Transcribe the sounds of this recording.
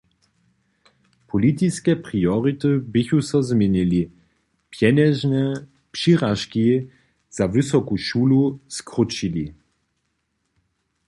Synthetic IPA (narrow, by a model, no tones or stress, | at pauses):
pʰɔlit̪iskɛpʁiɔʁit̪ɨbɪçusɔzmʲɛnili | pjɛnɛʒnɛ | pʂiʁaʃki | z̥avɨsɔkuʃuːluskʁut͡ʃili